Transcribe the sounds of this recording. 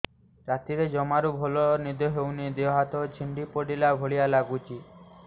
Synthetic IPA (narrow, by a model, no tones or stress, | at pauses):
ɾat̪iɾed͡ʒɔmaɾubʱɔlɔnid̪ɔɦewnid̪eɔɦat̪ɔt͡ʃʰiɳɖipoɖilaɡʱoɭijalaɡut͡ʃʰi